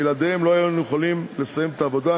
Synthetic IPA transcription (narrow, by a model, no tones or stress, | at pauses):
elad̪emloajujeχalimle̞sajemet̪aːvo̞d̪a